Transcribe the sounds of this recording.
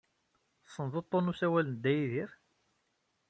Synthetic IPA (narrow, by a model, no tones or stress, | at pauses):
sˤːənðˤot̪ˤːonusæwælənd̪ːæjiðiɾ